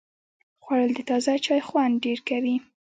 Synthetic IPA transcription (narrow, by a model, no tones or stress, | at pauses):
xwaɽəld̪ət̪ɑzat͡ʃɑjxwand̪ɖeɾkawi